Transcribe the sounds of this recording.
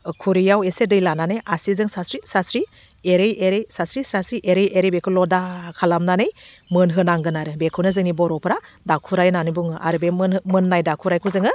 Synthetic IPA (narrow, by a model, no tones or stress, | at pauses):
kʰuɾijawesedɯjlananɯjʔasizɯŋsasɾisasɾi | eɾɯjeɾejsasɾisɾasɾiʔeɾɯjʔeɾebekʰɯlɔdakʰalamnanɯjmɯnɦɯnaŋɡɯnaɾɯbekʰɯwnɯzɯŋnibɔɾɔpʰɯɾa | dakʰuɾajnanɯbuŋɯʔa̰ɾɯbeɯnmɯnːajdakʰuɾajkʰuzɯŋɯ